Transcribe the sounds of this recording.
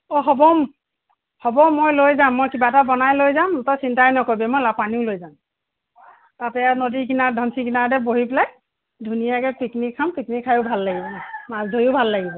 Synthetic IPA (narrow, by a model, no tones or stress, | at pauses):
ɔɦɔbɔm | hɔbɔmːojlojzamːojkibatabɔnajlojzamtɔsintajnɔkobɛmojlapaniʊlojzam | tatɛanodiɡinadʱɔnsikinaɹdɛboɦiplaj | dʱunijakɛpiknikʰːampiknikʰːajʊbʱalːaɡibɔmazdʱojʊbʱalːaɡibɔ